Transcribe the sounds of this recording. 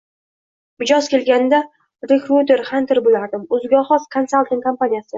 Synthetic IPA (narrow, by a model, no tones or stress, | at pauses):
mɪd͡ʒɒzkʲʰe̞lɡʲand̪a | ɾekɾut̪e̞ɾχant̪ʰɪɾbolaɾd̪ɪmɵzɡʲɒχɒz̥kʰonsalˠt̪ɪŋkʰampanʲijasɪ